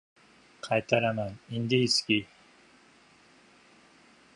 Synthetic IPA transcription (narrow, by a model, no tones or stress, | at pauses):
kʰajt̪aɾamanind̪iskʲi